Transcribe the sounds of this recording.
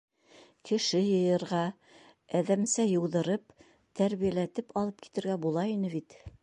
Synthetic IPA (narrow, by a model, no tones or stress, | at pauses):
kɘ̆ʃɘjɤ̆jɤ̆ɾʁɑ | æðæmsæjɤ̆wðɤ̆ɾɤp̚ | t̪æɾβijælæt̪ɘpɑlˠɤp̚ki̥t̪ɘ̆ɾɡæbulˠɑinɘβit̪